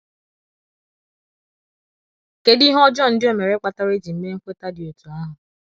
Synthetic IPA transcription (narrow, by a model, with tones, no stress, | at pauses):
ke˨di˦ɦɔ˦d͡ʒɔ˦˨n̩˨˦dɪ˦o˨me˨ɾe˦k͡pa˨ta˦ɾe˦d͡ʒi˨m̩˦me˦ŋ̩˦kʷe˦ta˦dɪ˨o˨tu˨a˦ɦʊ˨